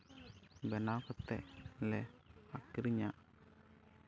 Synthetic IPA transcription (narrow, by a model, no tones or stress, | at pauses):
bɛnakɔt̪ːɛ̰lɛakːiɾiɲa